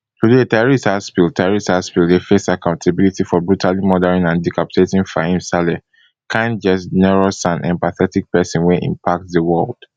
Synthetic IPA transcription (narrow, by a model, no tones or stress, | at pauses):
tudeetɛɹisthaspiltʰɛɹisthaspildefesakãʊ̃ntʰabilitifɔbɹutalimɔdɛɹĩnãndikʰapi̥tʰetĩnfaĩnsalɛ | kʰãnd͡ʒɛsnɛɹosãnʔɛ̰̃mpaθɛtik̚pɛsɔ̃nweʔḭ̃mpʰak̚tðəwɜld̥